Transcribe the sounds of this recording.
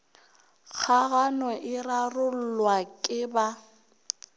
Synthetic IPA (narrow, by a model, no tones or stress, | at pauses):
k͡xʰaɣanɔʔɪrarʊl̩lwakʼɪba